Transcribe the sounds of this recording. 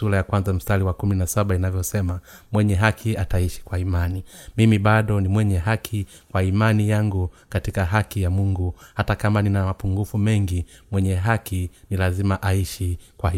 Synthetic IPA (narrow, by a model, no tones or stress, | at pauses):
ulajakwanzam̩staliwakuminasaɓainavjɔsɛma | mwɛɲɛɦakʰiataiʃi̥kwaimanimimiɓaɗɔnimwɛɲɛɦakʰi | kwaimanijaŋɡukatikaɦakijamuŋɡuhatakamaninamapuŋɡufumɛŋɡimwɛɲɛɦakinilazimaʔaiʃikwai